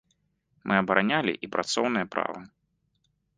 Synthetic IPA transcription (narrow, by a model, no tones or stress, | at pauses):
mʔɨɐbɐɾanʲalʲḭʔipɾat̪sɔwnɨjɐpɾa̰vɐ